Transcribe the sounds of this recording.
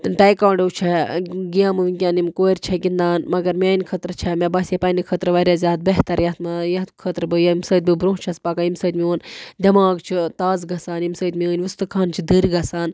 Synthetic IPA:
ʈaːjkaːwɳɖɐwt͡ʃʰeɡijaːmɨʋinʲkʲaːnimkoːɾʲt͡ʃʰɛkind̪aːnmɐɡɐɾmʲaːnkʰət̪ɾɨt͡ʃʰɛmʲebɐsepɐnikʰət̪ɾɨʋɐɾʲazʲaːd̪̚beɦt̪ɐɾjɐt̪mɐjɐtkʰət̪ɾbɨjɐmsɐːt̪̚bɨbɾõːt͡ʃʰɐspakaimsɐt̪mʲioːnd̪ʲɐmaːɡt͡ʃʰit̪aːzɡɐsaːnimsəːt̪mʲiəːnʲʋist̪ɨkʰaːnt͡ʃʰid̪ɨɾɡɐsaːn

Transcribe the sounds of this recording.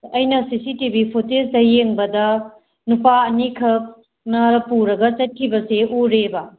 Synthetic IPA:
ɐjnɐsisitibipʰotesdɐjeŋbɐdɐ | nupaɐnikʰɐk̚ | nɐpuɾɐɡɐt͡ʃɐt̚kʰibɐseʔuɾebɐ

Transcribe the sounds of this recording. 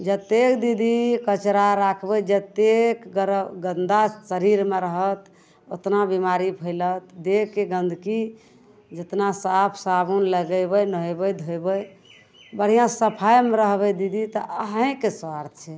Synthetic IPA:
d͡ʒət̪ekd̪id̪ʱikət͡ʃɾaɾakʰbəjd͡ʒət̪ekəɾɡənd̪asəɾiɾmeɾəɦət̪ | o̰t̪nabimaɾipʰəɪlət̪d̪ekːeɡə̃nd̪ʱki | d͡ʒət̪nasapʰsabunləɡəjbəjnəɦjbəjd̪ʱojbəj | bəɽ̤ijãsəpʰajmeɾəɦbɛd̪id̪ʱit̪ɔʔəɦə̃keswaɾt̪̚ʰt͡ʃʰɛ

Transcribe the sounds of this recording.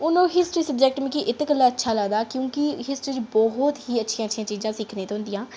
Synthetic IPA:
ʊnõːɦɪsʈɾiːsəb̚d͡ʒɛːk̚ʈmẽkiʔɪt̪kəlːaːətːʃʰaːlaːɡd̪aːkjõːkiɦɪsʈɾiːd͡ʒbɔɦʊt̪ɦiːətːʃʰijãːʃʰjãːt͡ʃiːzãːsikʰneːt̪eɦʊ̃nd̪ijãː

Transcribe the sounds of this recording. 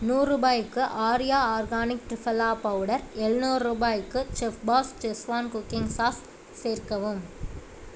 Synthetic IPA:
nuːruːbaːjɯkːɯʔaːɾɪjaːaːɾɡaːnɪk̚ʈɾɪfɐlaːpɐʋɯɽɐɾɛɭnuːɾɾuːbaːjɯkːɯt͡ʃɛfbaːst͡ʃɛsʋaːnkʊkːɪŋsaːs | seːrkɐʋɯm

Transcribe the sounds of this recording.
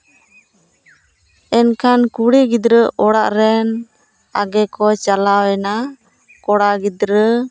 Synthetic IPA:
ɛnkʰankuɽɛɡid̪ɾəʔɔɽaʔɾɛn | a̰ɡɛkɔt͡ʃalawɛna | kɔɽaɡid̪ɾə

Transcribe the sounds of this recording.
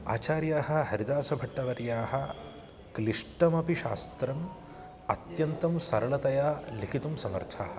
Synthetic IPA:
a̰ːt͡ʃaːɾjaːɦɐ̆hɐɾid̪aːsɐbʱɐʈːɐʋɐɾjaːhɐ̆ | kliʂʈɐmɐpiʃa̰ːst̪ɾɐm | ɐt̪jɐnt̪ɐmsɐɾɐɭɐt̪ɐjaːlikʰit̪umsɐŋɐ̰ɾt̪ʰa̰ːhɐ

